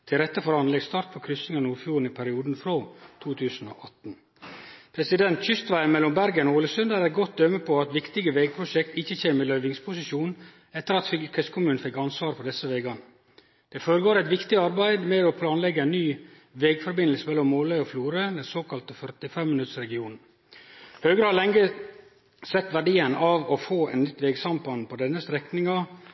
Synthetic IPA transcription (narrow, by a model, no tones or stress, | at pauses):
t̪ʰɪlɾɛt̪ːəfɔɾɑnlɛɡst̪ɑːɾʈ̪̚pʰɔkʰɾʏsɪŋɑnuːɾfjuːɾɳn̩ɪpʰæɾɪuːd̪n̩fɾoːt̪ʰuːt̪ʰʉːsn̩o̰ːʔɑt̪n̩ | pʰɾɛsɪd̪ɛnt̪çʏst̪ʋæɪmɛlːɔmbæɾɡənɔoːləsʉnd̪æɾɛt̪̚ɡɔt̪̚d̪œmːəpʰɔɑt̪ʋɪkt̪ɪɡəʋeːɡ̚pʰɾʊʃɛkt̪ɪçːəçeːməlœʏʋɪŋspʰʊsɪʃuːn | ɛt̪ːəɾɑt̪fɪkʰɛskʰʊmʉːnn̩fɛkːɑnsʋɑːɾfɔd̪ɛsəʋeːɡɑnə | d̪̥ɛfoːɾəɡoːɾæɪt̪ʋɪkt̪ɪɑɾbæɪd̪mɛɔpʰlɑːnlɛɡːəɛnːyː | ʋeːɡfɔɾbɪnəl̩səmɛlːɔmːoːlœʏɔfluːɾəd̪ɛnsoːkɑlt̪əfœɾt̪ɪfɛmːɪnʉt̪sɾɛɡɪuːnn̩ | høːɡɾəhɑɭɛŋɡə | sɛt̪ːʋæɖiːənɑʋɔfoːɛ̰nnʏt̪ːʋeːɡsɑmpɑnpɔd̪ɛnːəst̪ɾɛknɪŋɑ